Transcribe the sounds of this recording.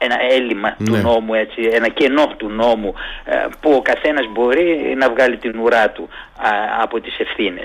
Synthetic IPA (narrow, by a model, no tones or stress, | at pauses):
e̞nɐelimɐt̪uno̞mue̞t͡sienɐce̞no̞t̪uno̞mupuo̞kɐθe̞nɐzbo̞ɾinɐvɣɐlit̪inuɾɐt̪u | ɐ̰po̞t̪ise̞fθine̞̰s